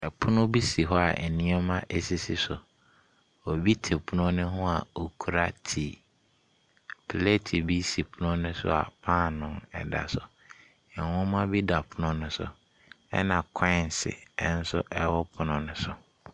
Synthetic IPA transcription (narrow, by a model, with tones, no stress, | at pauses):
ɛ˨pʰʊ˦nʊ̃˦bi˦si˨ɦɔ˦a˨ʔɛ˨nĩ˦ɛ˦mã˦ʔe˦si˦si˨sʊ˨ | o˨bi˦tʰe˨pʰʊ˦nʊ̃˦nʊ̃˦ɦʊ̃˦a˨o˨kʰu˨ɾa˦tʰi˨ | pʰle˦tʰi˨bi˦si˨pʰʊ˦nʊ̃˦nʊ̃˦sʊ̰˦a̰˨pʰãː˦˨nʊ̃˨nɛ̰˨da̰˨sʊ˨ | ɛ̃˨hʊ̃˦mã˦bi˦da˨pʰʊ˦nʊ̃˦nʊ̃˦sʊ̰˨ | ɛ̰˦nã˨kʰɔ̃˦˨n˨sɪ̰˨ɛ˦n̩˦sʊ̰˦ʔɛ˦wɔ˦pʰʊ˨nʊ̃˦nʊ̃˦sʊ˨